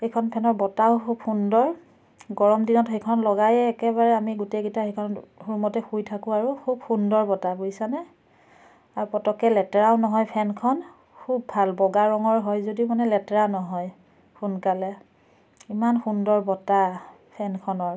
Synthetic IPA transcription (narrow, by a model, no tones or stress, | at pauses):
xejkʰɔnpʰɛnɔɹbɔtaʊ̃kʰubxundɔɹ | ɡɔɹɔmdinɔtxejkʰɔnlɔɡajɛːkɛbaɹɛamiɡutejɡitaxejkʰɔnɔthuɹmɔtɛxujtʰakʊ̃aɹukʰub̚xundɔɹbɔtabuisanɛ | aɹupɔtɔkɛlɛtɛɹaʊnɔɦɔjpʰɛnkʰɔn | kʰub̚ːʱalbɔɡaɹɔŋɔɹɦɔjzodimanɛlɛtɛɹanɔɦɔj | xʰunkalɛ | imanxundɔɹbɔta | pʰɛnkʰɔnɔɹ